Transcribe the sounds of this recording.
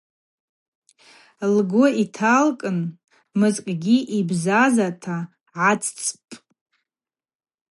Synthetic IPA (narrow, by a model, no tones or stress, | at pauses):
lɡʷʊitʰalkʼɨn | mɨzkʲʼɡʲiʔibzazatʰa | ʕat͡sʰʼt͡sʼpʼ